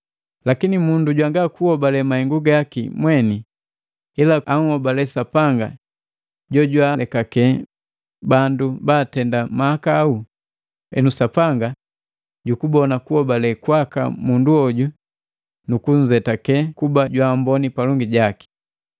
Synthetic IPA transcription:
lakinimunduɟwaŋɡakuhɔbalɛmahɛŋɡuɡakḭmwɛni | ilaaŋ̩hɔbalɛsapaŋɡa̰ | ɟɔɟwalɛkakɛ | bandubaːtɛndamaakaːu | ɛ̰nusapaŋɡa | ɟukubɔnakuhɔbalɛkwaka̰munduɔɟu | nukuɲ̩zɛtakɛkubaɟwambɔnipalɔŋɡiɟaki̥

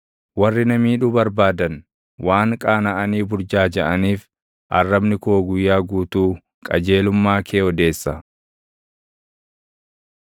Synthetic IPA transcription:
wɐrːɪnɐmiːᶑubɐɾbaːd̪ɐn | waːŋkʼaːnɐʔɐniːbʊɾd͡ʒaːd͡ʒɐʔɐniːf | ʔɐrːɐbnɪkoːɡʊjːaːɡuːt̪uː | kʼɐd͡ʒe̞ːlʊmːaːkʰeːɔd̪e̞ːsːɐ

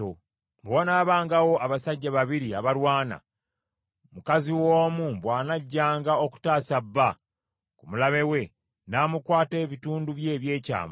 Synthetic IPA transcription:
o | bwonaːβaːŋɡawo̞ʔaβasaɟːaβaβiɾiaβalwaːna̰ | mukaziwoːmuβwaːnaɟːaːŋɡao̞ku̥taːsabːa | kumulaβe̞we̞ | naːmukwaːteːβituːnduβje̞ːβje̞ːca̰ːma

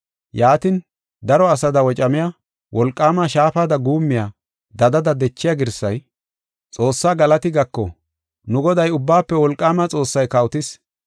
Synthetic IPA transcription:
jaːt̪ɪn | d̪ɐɾɔɐsɐd̪ɐwɔt͡ʃʼɐmɪja | wʔɔlkʼːaːmaʃaːfaːd̪ɐɡuːmːɪja | d̪ɐd̪ɐd̪ɐd̪ɛt͡ʃːɪjaɡɪɾsːɐ̰j | t͡sʼo̞ːsːaːɡɐlɐt̪ɪɡɐkːɔ̰ | nʊɡɔd̪ɐjʊbːaːpːɛwɔlkʼːaːmat͡sʼo̞ːsːɐjkɐwʊt̪ɪs

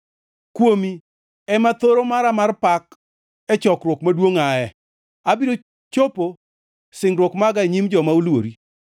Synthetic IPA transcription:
kwomi | ɛmat̪oɾomaɾamarpak | ɛt͡ʃɔkrwokmadwoŋaɛ | abido | t͡ʃopo | sɪŋɾwokmaɡaeɲimd͡ʒɔmaulwo̰ɾi

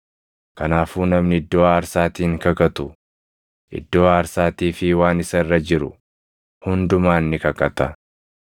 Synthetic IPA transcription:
kɐnaːfuːnɐmnɪɪd̪ːo̞ːaːɾsaːt̪iːŋkɐkɐt̪ʊ | ʔɪ̰d̪ːo̞ːaːɾsaːt̪iːfɪwaːnɪsɐɪrːɐd͡ʒɪɾʊ̰ | hʊnd̪ʊmaːnːɪkɐkɐt̪ɐ

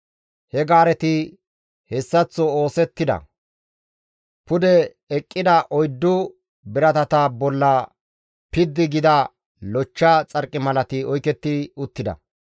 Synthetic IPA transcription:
hɛɡaːɾɛt̪ɪ | hɛsːɐt͡sːɔoːsɛt̪ːɪd̪ɐ̰ | pʊd̪ɛ | ɛkʼːɪd̪ɐʔɔjd̪ːʊ | bɪɾɐt̪ɐt̪abɔlːɐ | pɪd̪ːɪɡɪd̪ɐ | lɔt͡ʃːat͡sʼɐɾkʼːɪmɐlɐt̪ɪɔjkɛt̪ːɪʊt̪ːɪd̪ɐ̰

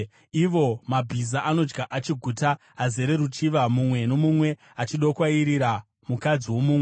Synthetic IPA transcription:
iʋo̞mabʱizaʔano̞d͡ʒɡaʔat͡ʃiɡʱuta | aze̞ɾe̞ɾut͡ʃiʋamumwe̞no̞mumwe̞ | at͡ʃiɗokwaiɾiɾa | mukad͡ziwo̞muːmwe

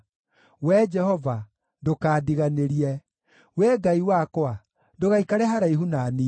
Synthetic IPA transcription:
wɛd͡ʒɛhɔva | ndokaːdiɣaneɾiɛ | wɛɡaiwakwa | ndoɣaikaɾɛɦaɾaiɦunani

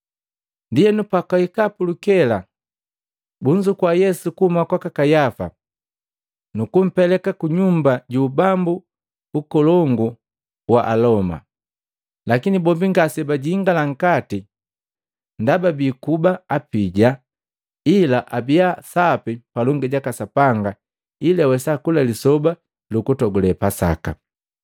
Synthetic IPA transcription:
ndijɛnupakaikapulukɛla | buɲd͡ʒukwajɛsukuhumakwakakajafa̰ | nukum̩pɛlɛkakuɲumbaɟuːbambuː | kɔlɔŋɡu | waʔalɔma̰ | lakinibɔbiŋɡasɛbaɟiːŋɡalaŋ̩kati | ndababikubaapiɟa | ilaʔabiasapipalɔŋɡɛɟakasapaŋɡa | ilɛawɛsakulalisɔba | lukutɔɡulɛpasa̰ka̰

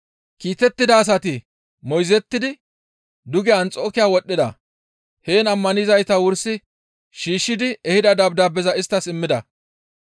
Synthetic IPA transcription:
kiːt̪ɛt̪ːɪd̪ɐːs̬ɐt̪ɪ | mɔjzɛt̪ːɪd̪ɪ | d̪ʊɡɛɐnt͡sʼo̞ːkɪjaːwɔɗːɪd̪ɐ̰ | he̞ːnɐmːɐnɪzɐjt̪ɐwʊɾsɪ | ʃiːʃːɪd̪ɪɛhɪd̪ɐd̪ɐbd̪aːbɛzɐɪst̪ːɐsɪmːɪd̪ɐ

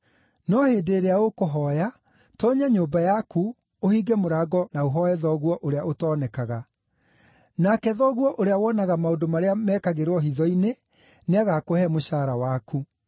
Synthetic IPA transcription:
nɔheːdeːɾeaokoɦɔja | tɔɲaɲoːbajaku | ohiɡɛmoɾaɡɔnaoɦɔɛðɔɣwɔʔoɾeaotɔːnɛkaɣa | nakɛðɔɣwɔʔoɾeawɔnaɣamaondomaɾeamɛːkaɣeɾwɔɦiðɔine | neaɣakohɛmoɕaːɾawaku

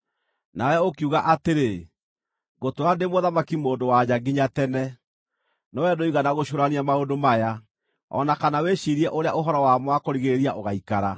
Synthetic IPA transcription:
naɛokjuɣaʔateɾe | ɣotoɾandemoðamakimoːndowad͡ʑaɡiɲatɛnɛ | nɔwɛdoiɣanaɣoʃoɾaniamaondomaja | ɔ̰nakanaweʃiɾiɛʔoɾeaʔoɦɔɾɔwamwakoɾiɣeɾeɾiaʔoɣaikaɾa

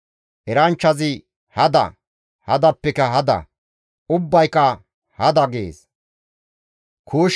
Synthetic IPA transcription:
ʔɛɾɐnt͡ʃːɐzɪ | hɐd̪ɐ̰ | hɐ̰d̪ɐpːɛkɐɦɐd̪ɐ̰ | ʊbːɐjkɐ | hɐd̪ɐɡḛːs | kʰuːʃ

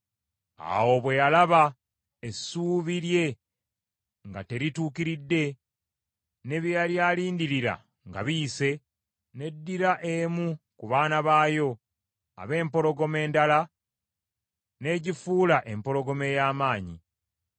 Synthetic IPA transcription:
a̰wo̞βwe̞jalaβa | e̞suːβiɾje̞ | ŋɡa̰te̞ɾituːkiɾidːe̞ | ne̞βjaːljaːliːndiɾiɾa̰ | ŋɡa̰βiːse̞ | ne̞dːiɾaʔe̞mukuβaːnaβaːjo̞ | a̰βe̞ːmpo̞lo̞ɡo̞me̞ːndala | ne̞ːɟifuːlaʔe̞mpo̞ɾo̞ɡo̞me̞jaːmaːɲḭ

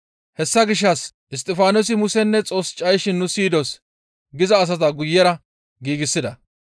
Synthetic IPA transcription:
hɛsːɐɡɪʃ̬ːɐsʔɪst̪ʼɪfaːnos̬ɪmʊsɛnːɛt͡sʼo̞ːst͡ʃʼɐjʃɪnːʊsiːd̪ɔs | ɡɪzɐːs̬ɐt̪̬ɐɡʊjːɛɾɐ | ɡiːɡɪsːɪd̪ɐ

